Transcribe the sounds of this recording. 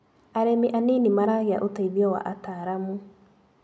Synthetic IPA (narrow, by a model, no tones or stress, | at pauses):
aɾemiʔaninimaɾaɣea̰ʔotaiðjɔwa̰ʔataːɾamu